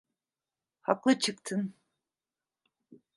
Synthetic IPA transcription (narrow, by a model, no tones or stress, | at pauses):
haklˠɯt͡ʃʰɯkt̪ʰɯn